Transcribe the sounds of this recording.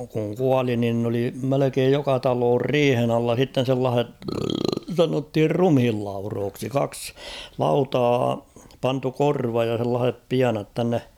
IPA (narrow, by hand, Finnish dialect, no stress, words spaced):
kuŋ kuɑli nin n oli melekeːj jokɑ tɑloːr riːhen ɑlːɑ s̞itːen̞ selːɑːh̞et sɑnothir rumhilːɑuroːksi kɑks lɑutɑː pɑntu korʋɑj jɑ s̞elːɑːhep piɑnɑt tænːe